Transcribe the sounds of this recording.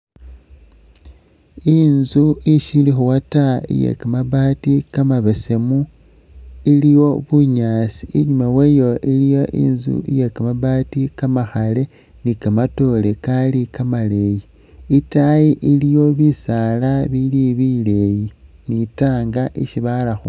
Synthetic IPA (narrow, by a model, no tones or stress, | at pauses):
inzuiʃilixuwataḭjḛkamaβatikamaβese̞mu | ilijo̞βuɲaːsi̥iɲumawejo̞ʔilijo̞ʔḭnzṵḭjekamaβaːtikamaxale̞ | nikamato̞le̞kalikamale̞ji | itajiʔilijo̞βisalaβiliβile̞ji | nitaːŋɡaʔiʃiβalaxo̰